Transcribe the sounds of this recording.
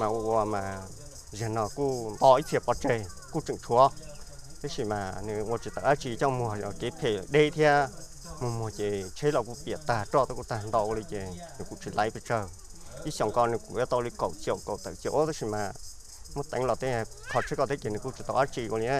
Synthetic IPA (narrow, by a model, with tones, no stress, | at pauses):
mã˨wu˧˨wɔ˧mã˨ | zə˨nɔ̃˨ku˦nd̪ɔ˧i˦t̪ʰi˧˨pɔ˧t͡ʃe˧˨ | ku˦˨t͡ʃɨ˧˨ŋt͡ʃʰu˧ɔ˦t̪e˦ʃi˧˨mã˨nĩ˧wo˧t͡ʃi˧˨t̪a˨ʔa˦t͡ʃi˧˨t͡ɕɔ˧mu˧˨ɔ˨ke˨˧˦pʰe˧˨ɗe˦˨t̪ʰja˦ | mõ˧m˧o˨kʲe˨t͡ʃʰe˦lɔ˧˨ku˧pːt̪aː˧˨ʈ͡ʂɔ˦t̪e˧˦ku˧t̪a˧nd̪ɔ˧˨ʔli˧ke˨nĩ˨kṵ˧˨t͡ʃi˨lʔa̰˧˦pe˧˨ʈ͡ʂə˧˨ | ʔi˦sjɔ˨ŋkɔ˧nĩ˧kṵ˨˧ja˦t̪ɔ˧li˧ko˨ʔsjo˧˨ko˨t̪a̰˧˨ʔkjo˧ʔt̪e˦ʃi˨mã˨ | mə̃˦t̪a̰˧˦ŋlɔ˧˨t̪ẽ˦˧ | kʰɔ˧t͡ʃʰe˧˦kɔ˧t̪ʰe˦kʲe˨nĩ˧˨ku˦˧˨t͡ʃi˧˨t̪ɔ˧ʔa˦t͡ʃi˧˨kʷa˧ĩ˧˦a˦